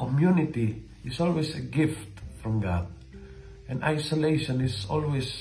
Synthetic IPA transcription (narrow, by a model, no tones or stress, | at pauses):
kɔmjunɪt̪i | ɪsolweseɡɪft̪fɾɹɔ̃mɡad̪̚ | ʔɛ̃na̰jsolejʃɔ̃nɪsɔlwes